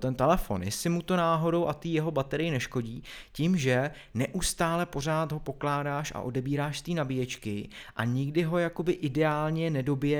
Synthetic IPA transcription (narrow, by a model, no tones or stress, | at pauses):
t̪ɛnt̪ɛlɛfo̞̰nɪsɪmut̪o̞naːɦo̞do̞wʔat̪iːjɛɦo̞bat̪ɛɾɪjɪnɛʃko̞ɟiːcimʒɛ | nɛʔust̪aːlɛpo̞r̝aːt̪ɦo̞po̞klaːdaːʃa̰ʔo̞dɛbiːɾaːʃst̪iːnabɪjɛt͡ʃkɪʔaɲɪɡdɪɦo̞jako̞bɪʔɪdɛaːlɲɛnɛdo̞bɪjɛ